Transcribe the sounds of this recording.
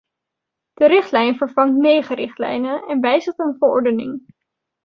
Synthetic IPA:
d̥əɾɪχtlɛjnvəɹvɑŋtmejχəɾɪχtlɛ̰jnənɛnʋɛjzəχtənvəɹɔ̰ɹdənɪ̰ŋ

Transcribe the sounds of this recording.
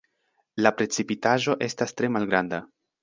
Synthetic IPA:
lapɾe̞t͡sipitaʒo̞ʔe̞stastɾe̞malɡɾanda

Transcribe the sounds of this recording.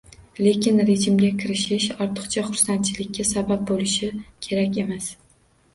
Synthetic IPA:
le̞kʲɪnɾe̞d͡ʒɪmɡʲakʲʰɪɾɪʃɪʃɒɾt̪ʰɨ̥qt͡ʃʰaχʊɾsant̪̚t͡ʃʰɪlɪkʲːasabap̚bolɪʃɪkʲʰe̞ɾakʲe̞mas

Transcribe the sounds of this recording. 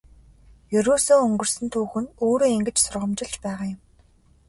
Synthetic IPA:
jɵɾoːsoːɵŋɡɵ̆r̥sɵ̆nt̪ʰuːxɘ̆noːɾoːeŋɡɘ̆t͡ɕsʊrʁə̆mt͡ɕɪ̆ɮt͡ɕpæːʁaːjʊm

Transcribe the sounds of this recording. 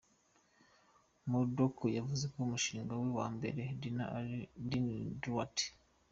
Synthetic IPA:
modokojavuze̞koumuʃiːŋɡawiwa̰ːmbe̞̰ɾe̞dina̰dindwati̥

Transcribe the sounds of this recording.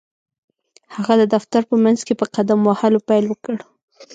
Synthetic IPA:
haɣad̪əd̪aft̪aɾpəmanzkepəqad̪amwahalopajlwəkəɽ

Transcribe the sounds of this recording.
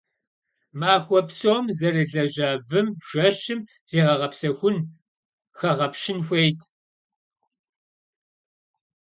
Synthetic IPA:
maːxʷɔpsoːmzɐriɮɐʒɐːvɨmʒ̥ʷɐʃɨm | z̥eːʁɐʁɐpsɐxʷʊn | xɐʁɐpʃɪnxʷejtʰ

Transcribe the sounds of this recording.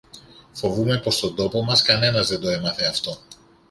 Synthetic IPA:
fo̞vume̞po̞st̪o̞d̪o̞po̞mɐskɐne̞nɐzðed̪o̞emɐθeɐft̪o̞

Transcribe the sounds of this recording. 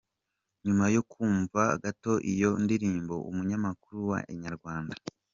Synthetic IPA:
ɲumajo̞kʰuːɱva̰ːɡato̞ʔijo̞ndiɾiːmbo̞ʔṵmuɲamakuɾuwa̰ɲaɾɡwaːnda

